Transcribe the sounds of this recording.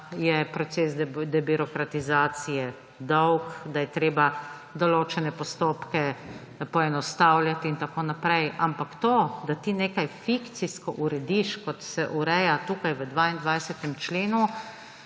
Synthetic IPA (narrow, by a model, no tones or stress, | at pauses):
jɛpɾɔt̪seːsd̪ɛbiɾɔkɾat̪izaːt̪sijɛ | d̪ɔwkd̪ajɛt̪ɾeːba | d̪ɔloːt͡ʃɛnɛpɔst̪oːpkɛ | pɔɛnɔst̪awljat̪iːnt̪akoːnapɾɛjʔampakt̪od̪at̪ineːkajfikt̪siskɔʔuɾɛd̪iʃkɔt̪sɛʔuɾɛjat̪uːkajʋəd̪ʋaind̪ʋajsɛt̪ɛmt͡ʃleːnu